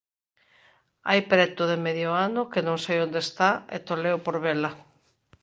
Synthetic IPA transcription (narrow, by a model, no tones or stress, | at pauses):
a̰jpɾɛt̪ʊðemeðjoanʊkenõŋsejõnd̪est̪aḛt̪olewpoɾβela